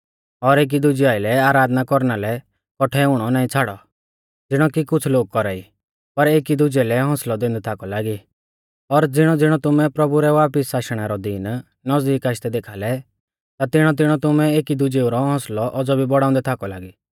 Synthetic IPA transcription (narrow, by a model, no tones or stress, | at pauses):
ɔɾeːk̬id̪ʊd͡ʒiaːɪlɛaːɾaːd̪nakɔɾnalɛ | kɔʈʰɛʊɽ̃ɔnaːĩt͡sʰaːɽɔ | d͡zɪɽ̃ɔkikʊt͡sʰloːɡ̚kɔɾaːi | pɐɾeːkid̪ʊd͡ʒɛlɛɦɔ̃slɔd̪ẽːnd̪ɛt̪ʰakɔlaːɡi | ɔɾd͡zɪɽ̃ɔd͡zɪɽ̃ɔt̪ʊmɛpɾɐbuɾɛʋaːpɪsːaːʃɽ̃aɾɔd̪iːn | nɔzd̪iːkaːʃt̪ɛd̪eːkʰaːlɛ | t̪at̪ɪɽ̃ɔt̪̬ɪɽ̃ɔt̪ʊmɛ̃eːkid̪ʊd͡ʒeuɾɔɦɔ̃ːslɔʔɔd͡zɔbʱibɔɽaːʊ̃nd̪ɛt̪ʰaːkɔlaːɡi